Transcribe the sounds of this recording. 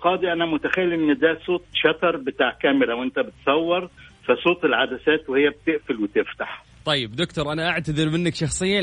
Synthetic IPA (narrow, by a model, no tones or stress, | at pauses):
qɑːd̪iʔænæmʊt̪æxæjːiʔɪnːd̪æːsˤoːt̪̚ˤʃɑt̪ɑɾˤbɪt̪aːʕkæːmɪɾawʔɪnt̪æbɪt̪sˤɑwːɑɾˤfæsˤoːt̪ˤɪlʕad̪æsæːt̪whɪjːæb̚t̪ɪʔfɪlwɪt̪ɪft̪aħ | t̪ˤɑjːɪbd̪ʊkt̪ʊɾʔanaʔaʕt̪aðɪɾmɪnːakʃɑxsˤɨjːa